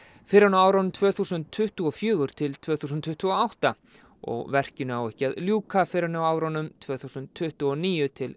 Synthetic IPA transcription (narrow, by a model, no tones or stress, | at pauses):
fɪɾɪɾnaaːwɾɔnmt̪ʰvœːθusʏnt̪ʰːʏht̪uɔfjʏːɣʏɾ̥t̪ʰɪlt̪ʰv̥œːθus̬nt̪ʰːʏht̪uɔawht̪a | ɔ̰ɣvɛr̥cɪnʏawɛhcɪaðljuːkafɪɾɪnawaːwɾɔnʏmt̪ʰvœːθusʏnt̪ʰːʏht̪ʏɔniːjʏt̪ʰɪl